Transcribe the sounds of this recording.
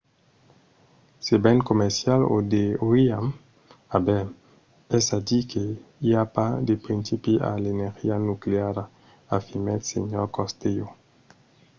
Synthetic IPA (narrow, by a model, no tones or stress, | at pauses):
sebɛnkomɛɾsjalo̰d̪eoiam | abɛm | ɛsadikʰeiapad̪epɾinsipiʔa̰leneɾxianukleaɾa | afimɛt̪sḛɲɔɾkɔst̪ejo